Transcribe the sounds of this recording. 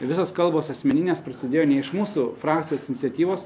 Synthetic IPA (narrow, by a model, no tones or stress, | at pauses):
ʋʲɪsoːskɐlˠboːsɐsʲmʲɛnʲɪnʲeːspɾɐsʲɪd̪ʲeːjoːnʲɛɪʃmuːsuːfɾɑːk̚t̪sʲɪjoːsɪnʲɪt̪sʲɛt̪ʲiːʋoːs